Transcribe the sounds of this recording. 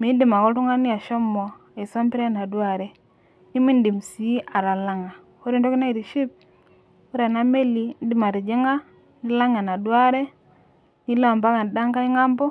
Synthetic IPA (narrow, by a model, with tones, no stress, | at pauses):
mi˨˦n˦di˨ma˨kɔ˦tu˦ŋa˦ni˦a˨ʃɔ˦mɔ˨ | e˨so˦mpi˦ɾe˦na˨dwa˦˨ɾe˦ | ni˦mi˦n˦di˨msi˨˦a˨ɾa˨la˦ŋa˨ | o˦ɾi˦˨ndɔ˦ki˦na˦i˨ɾi˨ʃi˦p̚ | o˦ɾe˨na˦me˦li˨˦n˦di˦ma˨ɾi˨d͡ʒi˦ŋa˦ | ni˦la˦ŋa˨na˨dwa˦ɾe˦ | ni˦la˨mba˦ka˨n˨da˦ŋka˦i˦ŋa˦mbɔ˦